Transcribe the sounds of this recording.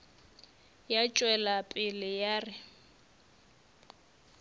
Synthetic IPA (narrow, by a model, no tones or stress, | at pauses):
jat͡ʃʼwɛlapʼɪlɪjaːrɪ